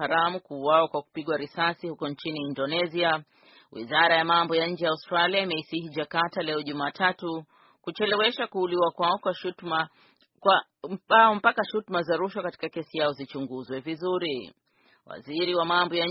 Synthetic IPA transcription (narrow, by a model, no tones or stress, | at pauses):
aɾamukuːwawakwaku̥piɠwaɾisasihukɔnt͡ʃiniːndɔnɛzia | wʔḭzaɾajamambɔjaɲ̩d͡ʒɛjaustɾaliaimɛisiɦid͡ʒakatalɛɔʄumaːtatu | kut͡ʃɛlɛwɛʃakuːliwakwaɔkwaʃma | a | aɔm̩pakaʃutmazaɾuʃwakati̥kakɛsijaɔzit͡ʃuŋɡuzwɛvizuɾi | wa̰ziɾiwamambɔja